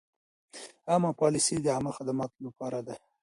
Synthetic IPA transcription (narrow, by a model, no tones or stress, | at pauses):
amɑpɑlɪsid̪əamaxad̪amɑt̪lapɑɾad̪a